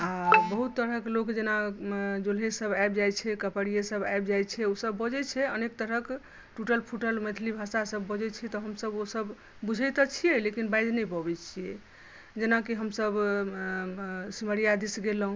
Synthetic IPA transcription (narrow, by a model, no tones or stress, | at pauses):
abəɦut̪ːəɾɦəklokd͡ʒenad͡ʒolɦesəbajbd͡ʒajt͡ʃʰɛkəpəɽijesəbabd͡ʒajt͡ʃʰɛosəbːɔd͡ʒɛt͡ʃʰɛənek̚t̪əɾɦək | ʈuʈəlpʰuʈəlmet̪ʰilibʱasasəbːɔd͡ʒɛt͡ʃʰɛt̪ɔɦəmsəbosəb | bud͡ʒʱɛjt̪ɔt͡ʃʰijelekinbajd̪nɛjpɔbɛt͡ʃʰije | d͡ʒenakiɦəmsəb | siməɾijad̪isɡelɦũ